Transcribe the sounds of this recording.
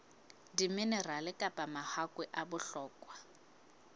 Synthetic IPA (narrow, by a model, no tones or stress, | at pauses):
dimɪnɛralɪkʼapʼamahakʼwɛʔabʊɬɔːkʼwa